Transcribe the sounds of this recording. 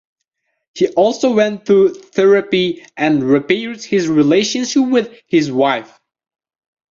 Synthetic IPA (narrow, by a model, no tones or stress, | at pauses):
hiʔɔlˠsoʊwɛ̃ntʰuθɛɹɨpiʔɨ̃nɹɨpɛɹd̚hɪzɹileɪʃɨ̃nʃɪp̚wɪð̥hɪzwaɪf